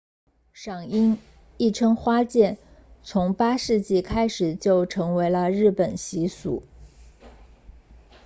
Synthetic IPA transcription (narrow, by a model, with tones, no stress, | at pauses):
ʂɑ˨˩ŋi˥n | i˥˩ʈ͡ʂʰɤ˥ŋxwa˥t͡ɕjɛ˥˩n | t͡sʰʊ˧˥ŋpa˥ʂɻ̩˥˧t͡ɕi˥˩kʰa˥ɪʂɻ̩˨˩t͡ɕjo˥˩ʊʈ͡ʂʰɤ˧˥ŋwe˧˥ɪlə˧ɻɻ̩˥˩pə˨˩nɕi˧˥sṵ˨˩˦